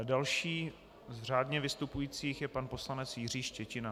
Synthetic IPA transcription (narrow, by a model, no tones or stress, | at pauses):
dalʃiː | zr̝aːdɲɛvɪst̪upujiːt͡siːxjɛpanpo̞slanɛt͡sjɪriːʃcɛcɪna